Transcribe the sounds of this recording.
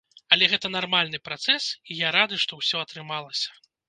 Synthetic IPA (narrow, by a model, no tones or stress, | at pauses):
ɐlʲɛɣɛt̪ɐnarmalʲnɨpɾat̪sɛsijaɾad̪ɨʂt̪ɔwsʲɔɐt̪ɾɨmalˠɐsʲɐ̥